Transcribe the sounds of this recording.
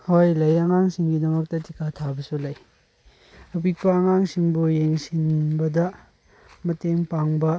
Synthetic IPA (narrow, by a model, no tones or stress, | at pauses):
hojlɐjɐŋaŋsiŋɡidɐmɐk̚tɐtikatʰabɐsulɐj | ɐpik̚pɐɐŋaŋsiŋbujeŋsinbɐdɐ | mɐteŋpaŋbɐ